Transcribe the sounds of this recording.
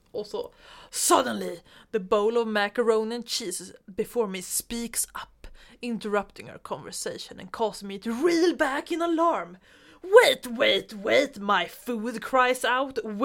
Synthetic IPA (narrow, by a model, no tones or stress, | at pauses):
ʔɔlˠsoʊsʌd̃ⁿn̩liðɨboʊlʌvmækə˞õʊ̃nɨ̃nt͡ʃʰisɨzbɨfɔɹmispiksʌpɪ̃ntə˞ʌp̚tɪ̃ŋə̰˞kʰɑ̃ɱvə˞seɪʃɨ̃nɨ̰̃nkʰɔsmiɨtɹilˠbækɨ̃nəlɑɹm | weɪtweɪtweɪtmaɪfudkʰɹ̥aɪzaʊtw